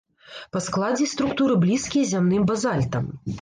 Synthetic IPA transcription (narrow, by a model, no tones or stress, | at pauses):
pɐsklˠad͡zʲɛst̪ɾukt̪uɾɨblʲiskʲijzʲamnɨmbazalʲt̪ɐm